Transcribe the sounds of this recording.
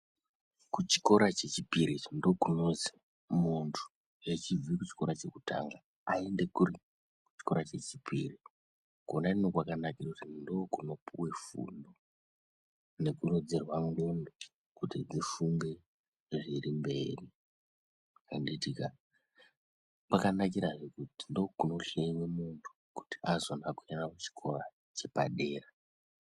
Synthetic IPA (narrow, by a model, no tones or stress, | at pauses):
kut͡ʃi̥ko̞ɾat͡ʃe̞t͡ʃipiɾindo̞kunozi | muntʰu̥ | jet͡ʃivikut͡ʃi̥ko̞ɾat͡ʃe̞kutʰa̰ŋɡa | ae̞nde̞kuri | u̥t͡ʃi̥ko̞ɾat͡ʃe̞t͡ʃipʰiri | konaninokwakanakirakutindoːkuno̞pʰuwe̞fṵndo | ne̞kurod͡zerwaŋɡono | kutid͡zifuŋɡe̞ | ʐiɾimbe̞̰ːri | kanditika | kwakanak̬iɾaʐekuti̥ndo̞kuno̞ɬeiwemuntʰu̥ku̥ti̥azonakujanakut͡ʃi̥kʰo̞ra | t͡ʃe̞pa̰ɗe̞ːra